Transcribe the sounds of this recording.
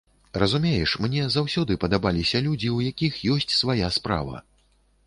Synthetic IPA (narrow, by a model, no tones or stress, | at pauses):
rɐzumʲejɛʂmnʲɛzawsʲɔd̪ɨpɐd̪abalʲisʲɐlʲud͡zʲiwjakʲixjɔsʲt͡sʲsvajaspɾa̰vɐ̰